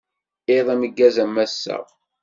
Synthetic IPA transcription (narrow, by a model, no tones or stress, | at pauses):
ɪðˤæməɡːæzæmːæsːə̰ʁ